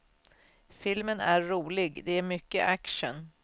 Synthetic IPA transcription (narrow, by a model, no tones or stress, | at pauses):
fɪlmənæɾːuːlɪɡd̪ɛæɾmʏkːə̰ʔækʂə̰n